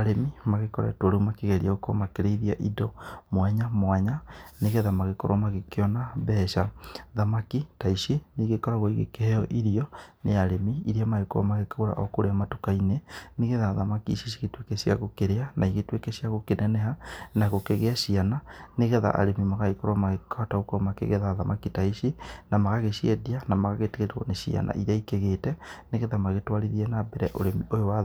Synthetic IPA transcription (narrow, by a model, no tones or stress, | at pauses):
aɾemimaɣekɔɾa̰ɛtwaɾomakeɣɛɾiaɣokɔ̰makeɾeiðiaʔidɔmwaɲamwaɲaneɣɛðamaɣekɔɾwʔamaɣekeɔnaβɛʃaðamakitaiʃeneɣekɔɾaɣoiɣḛkeɛjɔʔiɾiɔneaɾemiiɾiamaɣeka̰maɣekaoɾa̰ʔɔkoɾeamatokaineneɣeðaːðamakḭʃiʃiɣetwekɛʃia̰ɣokeɾeanʔaiɣetwekɛʃiaɣokenɛnɛɦanaɣokeɣeaʃiananeɣɛða̰ʔa̰ɾemimaɣaɣekoɾwamaɣekʰɔtaɣokɔmakḛɣeðaðamakitaiʃinamaɣaɣeʃiedianamaɣaɣeteɣeɾeɣɔ̰neʃia̰nʔa̰ʔiɾaikeɣeːtɛneɣeðamaɣetwaɾiðiɛnabɛɾɛʔoɾemiʔojowa